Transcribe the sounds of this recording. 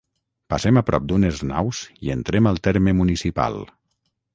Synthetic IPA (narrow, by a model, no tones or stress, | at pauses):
pasemapɾɔ̰p̚d̪unəzna̰wz̥iənt̪ɾemalˠt̪ɛɾmemunisipa̰lˠ